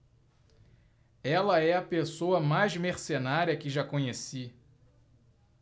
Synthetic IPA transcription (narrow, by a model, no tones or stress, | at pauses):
ɛlɐɛɐpesoɐmajzmeɾsenaɾiɐkɪʒakõɲesi